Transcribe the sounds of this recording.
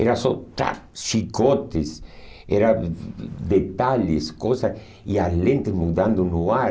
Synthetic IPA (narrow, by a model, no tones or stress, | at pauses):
ḛɾasot̪ɾa̰ʃikot̪esḛɾa | d̪et̪aʎeskosas | ialẽnt̪ezmud̪and̪onua